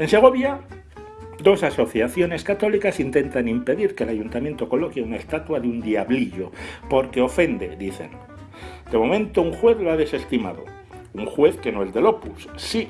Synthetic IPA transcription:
e̞nse̞ɣ̞o̞βja | d̪o̞saso̞θjaθjo̞ne̞skat̪o̞likasint̪e̞nt̪animpe̞ðiɾke̞laʝunt̪amje̞nt̪o̞ko̞lo̞keunaest̪at̪waðund̪iaβliʎo̞po̞ɾke̞o̞fe̞nd̪e̞̰d̪iθe̞̰n | d̪̥e̞mo̞mẽ̞nt̪o̞uŋxwe̞θloaðe̞se̞st̪ima̰ðo̞̰ | uŋxwe̞θke̞no̞e̞zðe̞lo̞pussi

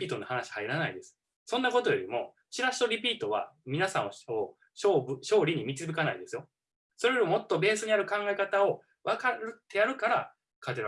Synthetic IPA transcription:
iːt̪onːohanaɕi̥haiɾanaid̪e̞sɨ̥ | sõ̞nːako̞t̪o̞joɾʲimo̞ | ɕiɾaɕi̥t̪o̞ɾʲipʲiːt̪o̞β̞a̰mʲinasã̰ɰ̃oo | ɕobɯɕo̞ːɾʲiɲ̟imʲit͡sɨbɯkanaid̪e̞sɨjo̞ | so̞ɾeomo̞t̪ːo̞be̞ːsɨɲ̟iaɾɯ̟kãŋɡae̞kat̪ao̞ | βakaɾɯ̟t̪ːe̞jaɾɯ̟kaɾa | kʰat̪eɾ

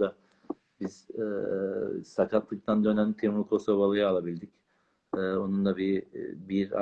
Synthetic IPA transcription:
d̪a | biz̥ɛ | sakʰat̪lˠɯk̚t̪ʰand̪ø̞næmit̪ʰiɾmulˠkʰo̞soβalˠajɯalˠabilʲd̪ic | ɛːo̞nund̪abibiɾa̰

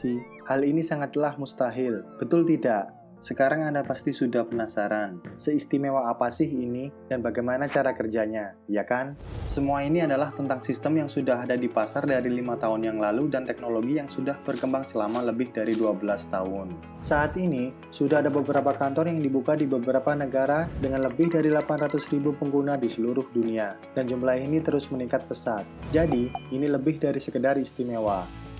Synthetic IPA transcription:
halinisaŋat̪lahmust̪aɦɪlb̥ət̪ʊlt̪idaʔ | səkaɾaŋandapast̪isudahpənasaɾansəist̪imewaːpasɪhinid̥anbaɡajmanat͡ʃaɾakərd͡ʒaɲajakansəmuainiadalaht̪ənt̪aŋsist̪əmjaŋsudaɦadadipasardaɾilimat̪aɦʊnjaŋlaludant̪ɛk̚noloɡijaŋsudahb̥ərkəmbaŋsəlamaləbɪhdaɾiduabəlast̪aɦʊn | saːt̪ini | sudaɦadabəbəɾapakant̪ɔrjaŋdibukadibəbəɾapanəɡaɾadəŋanləbɪhdaɾilapanrat̪ʊsribupəŋɡunadisəluɾʊhdunia | dand͡ʒumlainit̪əɾʊsməniŋkat̪̚pəsat̪̚d͡ʒadiiniləbɪhdaɾisəkədarist̪imewa

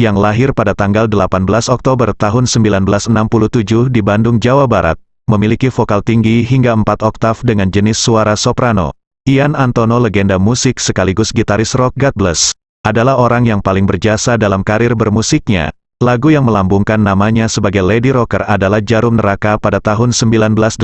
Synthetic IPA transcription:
jaŋlaɦɪrpadat̪aŋɡaldəlapanbəlasɔk̚t̪obərt̪aɦʊnsəmbilanbəlasənampuluht̪ud͡ʒʊhdibandʊŋd͡ʒawabaɾa̰t̪̚ | məmilikifokalt̪iŋɡiɦiŋɡaəmpat̪ɔk̚t̪afdəŋand͡ʒənɪsːuaɾasopɾano̰ | ianant̪onoləɡɛndamusɪksəkaliɡʊsɡit̪aɾɪsrɔk̚ɡat̪̚bələs | ʔadalahoɾaŋjaŋpalɪŋbərd͡ʒasadalamkaɾɪrbərmusɪk̚ɲa̰ | laɡujaŋməlambuŋkanːamaɲasəbaɡajlediɾɔkəradalahd͡ʒaɾʊmnəɾakapadat̪aɦʊnsəmbilanbəlas

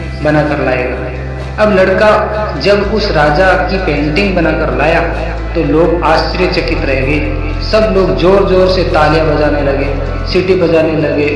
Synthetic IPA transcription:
bɐnakɐɾlaːeːɡaː | ɐblɐɽkad͡ʒɐbʊsɾaːd͡ʒakipẽːɳʈɪ̃ŋɡbɐnakɐɾlaːjaː | t̪oloːɡaːst͡ʃɾijet͡ʃɐkɪt̪ɾɐɦeːɡeː | sɐbloːɡd͡ʒoːɾd͡ʒoːɾset̪aːljabɐd͡ʒaːnelɐɡeː | sɪʈibɐd͡ʒaːnelɐɡeː

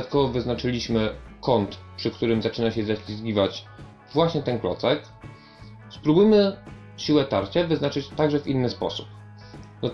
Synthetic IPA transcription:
t̪kɔvɔvɘznat͡ʂɘlʲiɕmɘkɔnt̪pʂɘkt̪uɾɘmzat͡ʂɘnaɕɛzaɕʲlʲizɡʲivat͡ɕ | vwaɕɲɛt̪ɛnklɔ̰t̪sɛk | spɾubujmɘ | ɕiwɛt̪aɾt͡ɕavɘznat͡ʂɘt͡ɕt̪aɡʐɛvʲinːɘspɔ̰su̥p | nɔ

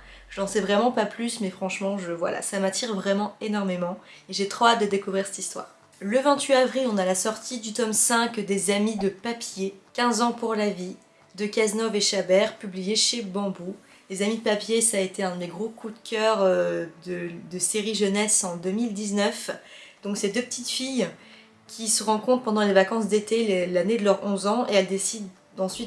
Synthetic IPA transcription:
ʒəɑ̃sɛvʁɛmɑ̃paplysmɛfχɑ̃ʃmɑ̃ʒəvwa̰la̰samat̪iʁvʁɛmɑ̃enɔʁmemɑ̃ | eʒet̪χoat̪̚d̪əd̪ekuvʁiʁsɛ̥t̪ist̪wa̰ːʁ | ləvɛ̃t̪ɥiavʁilɔ̃nalasɔʁt̪ʰid̪yt̪ɔmsɛ̃kd̪ezamid̪əpapjekʲɛ̃zɑ̃puʁlavi | d̪əkaznɔveʃabɛʁpyblijeʃebɑ̃bu | lezamid̪əpapjesaːet̪eɛ̃d̪eɡʁokʰud̪kʲœʁød̪əd̪əseʁiʒənɛsɑ̃d̪əmild̪iznœf | d̪ɔ̃ksed̪øpə̥t̪it̪fij | kʲʰisəʁɑ̃kɔ̃t̪χpɑ̃d̪ɑ̃levakɑ̃s̬d̪et̪eelaned̪əlœʁɔ̃zɑ̃eɛld̪esid̪ | ɑ̃sɥit̪

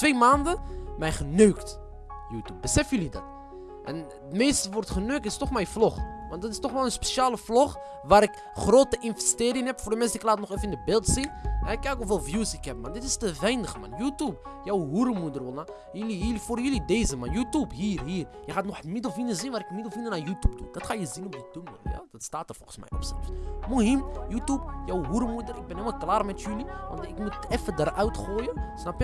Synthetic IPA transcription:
tʋejmaːndəmɛjχənøːkt | juːtub̚bəsɛfjəlidɑ̰t | ʔɛ̰n | tmeːstəʋɔrtχənøːk̚tɪstɔχmɛjflɔχʋɑntdɔtɪstɔχmalənspeʃaːləflɔχ | ʋaːɾɪk | χroːtəʔɪnvɛsteːɾɪŋɦɛpfordəmɛnsɪklaːtnɔχefənɪndəbɪlˠtsinmɛɛkːɛkofɪlˠfjusikɛpmandɪtɪstəvɛjnəχəma̰njutub̚ | jæwɦuɾəmud̪əɾwəlna | jəliilifoɾjəlid̪ezəmanjut̪ubɦiɾɦiːɾjəxat̪noħəmid̪əlfinəzinvaɾɪkmid̪əlfinənajut̪ub̚d̪ṵnd̪ɑt̪xajəzinɔb̚d̪əd̪ʊmə̰ja̰d̥̪t̪st̪at̪əɾfolχəsmɛ̰jʔɛ̰bsɛ̰lfmuɦimjut̪ub̚jæwɦuɾəmud̪əɾɪk̚bɛneməlklaɾmɛt̪jylivɑ̰nt̪ɪkmut̪ʔɛfːəd̪əɾʔœwt̪xojəsnɑp

